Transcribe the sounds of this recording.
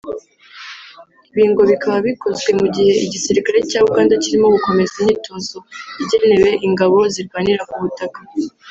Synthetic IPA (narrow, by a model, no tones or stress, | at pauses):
iβiːŋɡo̞βikaβaβiko̞zɡwe̞muɟihe̞iɟisiɾikaɾe̞caːβukaːndaciɾimo̞ɡuko̞me̞zenitʰo̞ːso̞iɟe̞ne̞we̞ʔiŋɡaβo̞ziɾɡwaːniɾakuβutaka